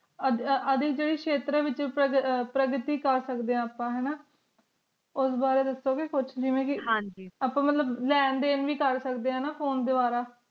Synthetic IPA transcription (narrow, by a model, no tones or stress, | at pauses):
əəd̪ɪkd͡ʒeːɽiːkʃʰeːt̪ɾaːʋɪt͡ʃəpɾəɡɾɪt̪iːkəɾsəkd̪eːãːpːãːɦɛːnaː | ʊsbaːɾeːd̪əsoːkekʊt͡ʃʰd͡ʒɪʋẽːkɪɦãːɲd͡ʒiːaːpːãːmət̪ləblɛːnd̪eːnʋiːkəɾsəkd̪eːɦãːnaːfʰoːnd̪eːbaːɾaː